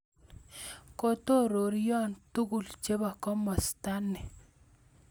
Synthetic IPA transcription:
ko˦to˦ɾo˨ɾjɔ˦ntu˦ɡu˨lt͡ʃe˦ba˨kɔ˦mɔ˨st̪a˦nːɛ˨

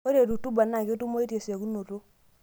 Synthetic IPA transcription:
o˦ɾe˨tu˨tu˦ba˨na˨ke˦tu˦mo˦i˦te˨sa˨ku˦no˨ɾu˦

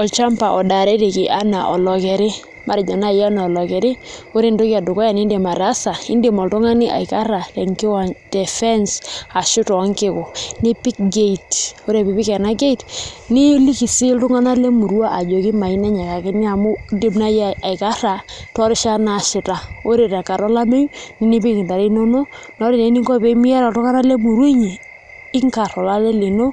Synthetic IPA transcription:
ɔ˨lt͡ʃa˦mpa˨ʔɔ˨da˨ɾe˦te˨kɪ˨ʔa˦na˨ʔɔ˨lɔ˨kɛ˨ɾɪ˦ | ma˨ɾɪ˨d͡ʒɔ˨na˦˨ja˦na˨ɔ˨lɔ˨kɛ˨ɾɪ˦ | o˦ɾe˦ndo˦ka˨dʊ˨kɔ˦ja˨ni˦nde˨ma˨ɾa˦sa˨ɪ̰˦nde˨mɔ˨ltʊ˦ŋa˦nɪ˦ʔa̰˨i˨ka˦ɾa˨lɛ˨ŋkɪ˦wa˨nd̥ɛ˨fɛ˦nsa˨ʃʊ˦tɔ˨a˦ŋkɪ˦kʊ˨nɪ˦pi˦k̚ɡe˦i˨to˦ɾe˨pi˨pɪ˦kɛ˨na˦ɡe˦itnɪ˦li˦ki˨sɪ˦ltʊ˦ŋa˦na˦le˦mu˨ɾwa˦ʔa˨d͡ʒo˨kɪ˦ma˨i˦nɛ˦ɲa˨ka˨kɪ˦ni˦a˨mʊ˦de˦mna˦ja˨ka˦ra˨tɔ˦ɾɪ˦ʃa˦na˨ʃɪ˨ta˨o˦ɾe˨ta˨ka˨ɾɔ˦la˦me˦ju˦nɪ˦ni˦p̬ɪ˦ŋɪ˨nda˨ɾe˦no˦no˦nɔ˦ɾɪ˨ne˨˦ni˦ŋɡɔ˦˨pe˦mɪ˦ja˦ɾa˨tʊ˦ŋa˦na˦le˦mu˨ɾwi˦ɲi˨ | ɪ˦ŋka˨ɾɔ˨la˦lɛ˦le˨no˦

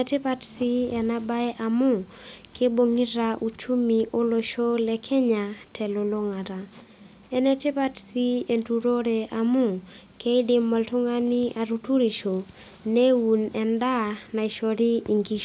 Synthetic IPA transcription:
ɛtɪ˦patsi˦ɛ˨na˦ba˦ɛ˦ʔa˨mʊ˦ | kʰe˦bo˦ŋi˦ɾaʔu˨t͡ʃu˦mi˨ʔo˦lo˨ʃo˦lɛ˨kʰɛ˦ɲatʰɛ˨lo˨lo˦ŋa˨ta˨ | ɛ˦nɛ˦tɪ˦pa˦tsi˦e˨ntu˨ɾo˦ɾe˨ʔa˨mʊ˦ | kʰe˦i˦dɪ˦mːɔ˨ltʊ˦ŋa˦ni˦ʔa˨ɾu˨tu˦ɾi˨ʃo˨ | ne˦wu˨nɛ˨nda˦na˨i˨ʃo˨ɾi˦i˨ŋɡi˦ʃ

